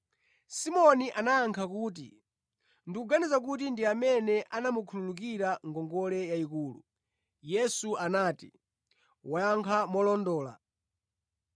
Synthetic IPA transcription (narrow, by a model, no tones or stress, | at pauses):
simɔniʔanaːŋkʰakuːt̬ḭ | ndikuɡanizakutindiamɛnɛʔanamukʰululuk̬iɾaŋɡɔŋɡɔlɛjaikuːlṵ | jɛsuanaːtḭ | wajaŋkʰamɔlɔndɔːla̰